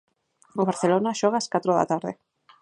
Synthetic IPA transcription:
oβaɾθelonaʃɔɣaːskat̪ɾoða̰t̪aɾðe

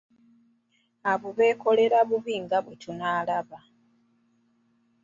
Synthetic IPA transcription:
aβuβe̞ːko̞le̞ɾaβuβiːŋɡaβwetʰunaːlaβa

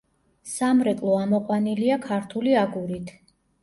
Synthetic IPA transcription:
samɾɛkʼlˠɔamɔqʼwaniliakʰaɾt̪ʰuliaɡuɾit̪ʰ

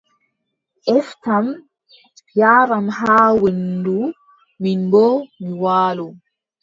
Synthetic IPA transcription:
ʔɛftam | jaːɾamɦaːwendu | minbɔmiwaːlɔ

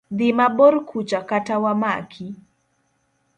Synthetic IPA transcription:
d̪ɪmabɔɾkʰut͡ʃakatawama̰kʰi

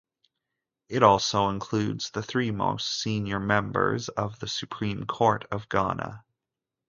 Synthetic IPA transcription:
ɨɾɔlˠsoʊə̃nkʰl̥ʉdz̥ðɨθɹimo̰ʊstsĩnjə˞mɛ̃mbə̰˞zʌvðɨsʉpʰɹ̥ĩmkʰɔɹɾʌvɡɑ̰nə̰

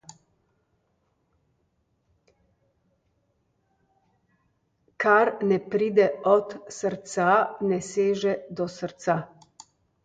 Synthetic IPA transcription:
kaɾnɛpɾiːd̪ɛɔt̪səɾt̪sanɛseːʒɛd̪ɔsəɾt̪sa

